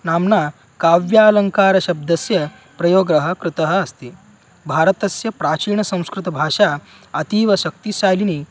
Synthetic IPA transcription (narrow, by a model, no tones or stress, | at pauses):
naːmna | kaːʋjaːlɐŋkaːɾɐɕɐb̚d̪ɐsjɐ | pɾɐjoːɡɾɐɦɐ̆kɾɪt̪ɐɦɐ̆ɐst̪i | bʱaːɾɐt̪ɐsjɐpɾaːt͡ʃiːɳɐsɐ̃w̃skɾɪt̪ɐbʱaːʂa | ɐt̪iːʋɐɕɐk̚t̪isaːjliniː